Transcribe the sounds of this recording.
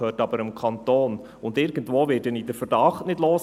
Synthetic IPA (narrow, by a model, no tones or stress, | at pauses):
øːtɑb̥əɾəmkʰɑntoːn | ʊndɪɾɡ̥əntvoːvɪːtːɛnidəfəɾdɑχtnɪdloːs